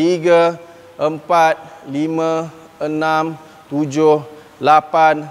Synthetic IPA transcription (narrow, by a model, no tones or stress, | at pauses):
iɡa | ʔəmpat̪̚limã | ənãm | t̪ud͡ʒʊh | lapan